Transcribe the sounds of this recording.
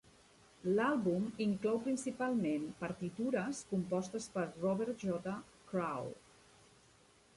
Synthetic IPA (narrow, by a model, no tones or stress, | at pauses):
lalˠβumiŋklɔwpɾinsipalˠmempəɾt̪it̪uɾəskumpɔst̪əspəɾrɔβɛɾt̪ʒɔt̪ə | kɾaw